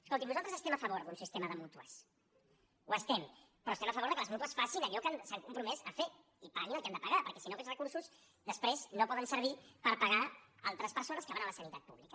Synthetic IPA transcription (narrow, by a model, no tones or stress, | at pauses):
skolˠt̪imnuzalt̪əzəst̪ɛmɐfəβoɾðunsist̪eməðəmut̪uə̰s | uəst̪ɛm | pɾɔst̪ɛməfəβoɾðəkələzmut̪uəsfasinəʎɔkansaŋkumpɾumɛzəfe | ipaanilkand̪əpaɣapəɾkɛsinokɛlsrəkuɾsuz | ðəspɾeznopɔðənsəɾβ̞ipəɾpaɣaalˠt̪ɾəspəɾsonəskəβanələsənit̪at̪̚pṵβlikə